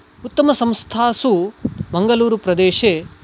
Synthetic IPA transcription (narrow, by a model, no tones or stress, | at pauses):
ut̪ːɐmɐsɐmst̪ʰaːsumɐŋɡɐluːɾupɾɐd̪eːʃeː